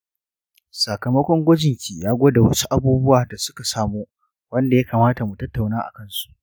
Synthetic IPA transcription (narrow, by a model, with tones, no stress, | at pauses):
sa˨kɐ˨mɐ˦kʷɔ˦ŋɡʷɔ˦d͡ʒɪ˨ŋkʲiː˨jaː˦ɡʷoː˦da˨wɐ˦su̥˦ʔa˦buː˦bʊ˦waː˨da˨sʊ˦ka˨saː˦muː˦ | wɐ˦nda˨ja˦kaː˨maː˦ta˨mu˨tɐ˦tːa˨wnaː˦ʔa̰˨kɐ˦nsu̥˨ʔ